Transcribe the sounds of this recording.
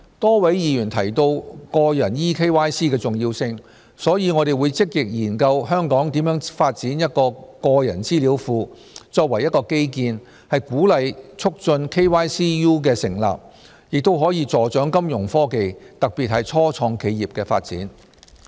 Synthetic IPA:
t̪ɔː˥wɐ˨˥jjiː˨˧jyː˨˩nt̪ʰɐ˨˩jt̪o˧wkɔː˧jɐ˨˩njiː˥kʰe˥jwaː˥jsiː˥k̬ɛː˧t͡sʊ˨ŋjiː˧wsɪ˧ŋ | sɔː˨˥jiː˨˧ŋɔː˨˧ɾe˨jwuː˨˧jt͡sɪ˥k̚jɪ˨k̚jiː˨˩nkɐ˧wɦœː˥ŋkɔː˨˥ŋt̪iː˨˥mjœː˨˥ŋfaː˧t̚t͡siː˨˥njɐ˥t̚kɔː˧kɔː˧jɐ̰˨˩nt͡siː˥liː˨˥wfuː˧ | t͡sɔː˧k̚wɐ˨˩jɐ˥t̚kɔː˧ke˥jkiː˧n | hɐ˨jkuː˨˥lɐ˨jt͡sʰʊ˥k̚t͡sɵ˧nkʰe˥jwaː˥jsiː˥juː˥k̬ɛː˧sɪ˨˩ŋla̰ː˨p̚ | jɪ˨k̚t̪o˥wɦɔː˨˥jiː˧t͡sɔː˨˧t͡ʃœː˨˥ŋkɐ˥mjʊ˨˩ŋfɔː˥ke˨jt̪ɐ˨k̚piː˨t̚hɐ˨jt͡sʰɔː˥t͡sʰɔː˧ŋkʰe˨˧jiː˨p̚kɛː˧fa̰ː˧t̚t͡siː˨˥n

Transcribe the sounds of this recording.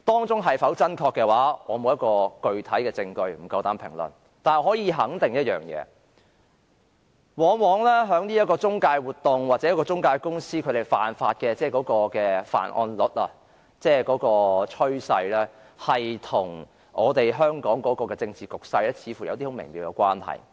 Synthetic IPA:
t̪ɔː˥ŋt͡sʊ˥ŋɦɐ˨˩jfɐ˨˥wt͡sɐ˥nkʰɔː˧kːɛː˧waː˨˥ɔː˨˧mo˨˧wjɐ˥t̚kɔː˧kɵ˧ɥt̪ʰɐ˨˥jkɛː˧t͡sɪ˧ŋkɵ˧ɥm̩˨˩kɐ˧wt̪aː˨˥npʰɪ̰˨˩ŋlɵ̰˨˩n | t̪aː˨n˨˧hɔː˨˥jiː˨˧ɦɐ˨˥ŋt̪ɪ˨ŋjɐ˥t̚jœ̰ː˨˩ŋjɛ̰ː˨˧ | wɔː˨˧wɔː˨˧ŋlɛ˥ɦœː˨˥ŋni˥jɐ˥tkɔː˧t͡sʊ˥ŋkaː˧jwuː˨˩t̪ːʊ˨ŋwaː˨t̚t͡sɛː˨˥kɔː˧t͡sʊ˥ŋkaː˧jkʊ˥ŋsiː˥kʰt̪e˨˩jfa̰ː˨nfaː˧t̚kɛː˧t͡sɛː˥˩kɔː˨˥kɔː˧kɛː˧fa̰ː˨˩nʔɔ̰ː˧nlʊ˨˥t̚ɐ˨ | t͡sɛː˥kɔː˨˥kɔː˧t͡ʃʰɵ˥ɥsɐ˧jlɛ˥ | hɐ˨jt̪ʰʊ˨˩ŋ | ɔː˨˧t̪e˨jɦœː˥ŋkɔː˨˥ŋkɔː˨˥kɔː˧kɛː˧t͡sɪ˧ŋt͡siː˨kʊ˨k̚sɐ˧jlɛː˥t͡sʰiː˨˧fuː˨˩jɐ˨˧wt̪iː˥ho˨˥mɪ˨˩ŋmiː˨˧wkɛ˧kʷwaː˥nhɐ̰˨˩j

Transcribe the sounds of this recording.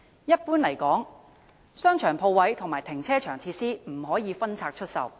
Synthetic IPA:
jɐ˥t̚puː˥nlɐ˨˩jkɔː˨˥ŋ | sœː˥ŋt͡ʃʰœː˨˩ŋpʰo˧wːɐ˨˥jt̪ʰʊ˨˩ŋmaː˨˩jt̪ʰɪ˨˩ŋt͡sʰɛː˥t͡ʃʰœː˨˩ŋt͡sʰiː˧t̚siː˥m̩˨˩ɦɔː˨˥jiː˨˧fɐ˥nt͡sʰaː˧k̚t͡ʃʰɵ˥t̚sɐ̰˨˧w

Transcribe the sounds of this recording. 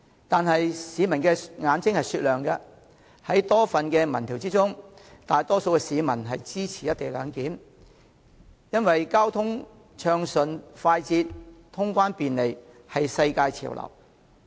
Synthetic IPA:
t̪aː˨nɦɐ˨jsiː˨˧mɐ˨˩nkɛː˧ŋaː˨˧nt͡sɪ˥ŋhɐ˨jsyː˧t̚lœː˨ŋkɐ˧ | hɐ˨˥jt̪ɔː˥fɐ˨nkɛː˧mɐ˨˩nt̪ʰiː˨˩wt͡siː˥t͡sʊ˥ŋt̪aː˨jt̪ɔː˥so˧wkɛ˧siː˨˧˥mɐ˨˩nɦɐ˨jt͡siː˥t͡sʰiː˨˩jɐ˥t̪̚e˨jlœ̰ː˨˧ŋkiː˨˥m | jɐ˥nwɐ˨jkaː˥wt̪ʰʊ˥ŋ | t͡ʃʰœː˧ŋsɵ˨nfaː˧jt͡siː˧tt̪ʰʊ˥ŋkʷaː˥npiː˨nle˨˩j | hɐ˨jsɐ˧jkaː˧jt͡sʰḭ˨˩wlʔɐ̰˨˩w

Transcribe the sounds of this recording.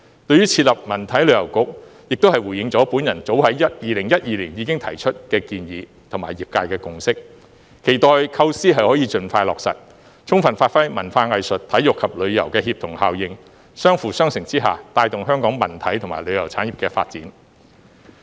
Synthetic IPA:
t̪ɵ˧ɥyː˥t͡sʰiː˧t̚lɐ˨p̚mɐ˨˩nt̪ʰɐ˨˥jlɵ˨˧ɥjɐ˨˩wkʊ˨k̚jɪ˨k̚t̪o˥hɐ˨jwuː˨˩jɪ˨˧ŋt͡sɔː˨˥puː˨˥njɐ˨˩nt͡so˨˥whɐ˨˥jjɐ˥t̚jiː˨˩lɪ˨˩ŋjɐ˥t̚jiː˨liː˨˩njiː˨˧kɪ˥ŋt̪ʰɐ̰˨˩jt͡ʃʰɵ˥t̚kɛː˧kiː˧njiː˨˧ | t̪ʰmaː˨˩jiː˨p̚kaː˧jkɛː˧kʊ˨ŋsɪ˥k | kʰːe˨˩jt̪ɔː˨jkʰɐ˥wsiː˥ɦɐ˨jhɔː˨˥jiː˨˧t͡ʃɵ˨˧nfaː˧jlɔː˨ksɐ̰˨t̚ | t͡sʰʊ˥ŋfɐ˨nfaː˧t̚fɐ˥jmɐ˨˩nfaː˧ŋɐ˨˧jsɵ˨t̚t̪ʰɐ˨˥jʊ˨k̚ʰːɐ˨p̚lɵ˨˧ɥjɐ̰˨˩wkɛː˧ɦiː˧p̚t̪ʰʊ˨˩ŋha̰ː˨wjɪ˨ŋ | sœː˥ŋfuː˨sœː˥ŋsɪ˨˩ŋt͡siː˥ɦa̰ː˨t̪aː˧jt̪ʊ˨ŋɦœː˥ŋkɔː˨˥ŋmɐ˨˩nt̪ʰɐ˨˥jt̪ʰʊ˨˩ŋma̰ː˨˩jlɵ˨˧ɥjɐ˨˩wt͡sʰaː˨˥nji˨p̚kɛː˧fa̰ː˧t̚t͡siː˨˥n

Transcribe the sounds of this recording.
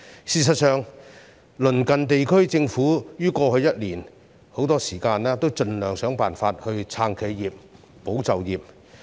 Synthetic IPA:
siː˨s̬ɐ˨t̚sœː˨ŋ | lɵ˨˩nkɐ˨nt̪e˨jkʰɵ˥ɥt͡sɪ˧ŋfuː˨˥jyː˥kɔː˧hɵ˨˧ɥjɐ˥t̚liː˨˩n | ho˨˥wt̪ɔː˥siː˨˩kaː˧nɛː˥t̪o˥wt͡ʃɵ˨nlœː˨˩ŋsœː˨˥ŋpaː˨˩nfaː˧t̚hɵ˧ɥt͡sʰaː˧ŋkʰe˨˧˥jːiː˨p̚ː | o˨˥wt͡sɐ˨wjiː˨p̚

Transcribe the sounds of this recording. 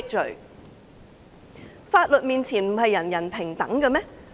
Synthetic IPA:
k̚t͡ʃɵ˨˩ɥ | faː˧t̚lɵ˨t̚miː˨nt͡sʰiː˨˩nm̩˨˩hɐ˨jːɐ˨˩njɐ˨˩npʰɪ˨˩ŋt̪ɐ̰˨˥ŋkɐ˧mɛ˥

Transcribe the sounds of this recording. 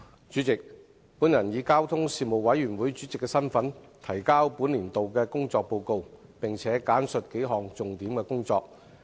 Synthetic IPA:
t͡ʃyː˨˥t͡sɪ˨k̚ | puː˨˥njɐ˨˩njiː˨˧kaː˥wt̪ʰʊ˥ŋsiː˧mo˨wwɐ˨˥jːyː˨˩nwuː˨˥jt͡ʃyː˨˥t͡sɪ˨kːɛ˧sɐ˥nfɐ˨˥n | t̪ʰɐ˨˩jkaː˥wpuː˨˥nliː˨˩nt̪o˨wkɛː˧kʊ˥ŋt͡sɔː˧k̚po˧wko˧wpɪ˨ŋt͡sʰɛː˨˥kaː˨˥nsɵ˨t̚ke˨˥jɦɔː˨˩ŋt͡sʊ˨ŋt̪iː˨˥mkɛː˧kʊ˥ŋt͡sɔː˧k̚

